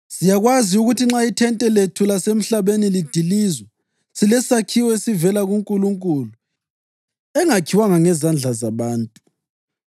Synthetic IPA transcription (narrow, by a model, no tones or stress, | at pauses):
sijaɣwaziuɣutʰiŋ͡ǁaitʰɛntʼɛletʰulasem̩ɬaβenilid̥ʱilizwɛ | silɛsakʰiwɛesivɛlaɣuŋkʼuluŋkʼulu | ɛŋakʰiwaŋaŋɛzand͡ɮʱazaβaːntʼu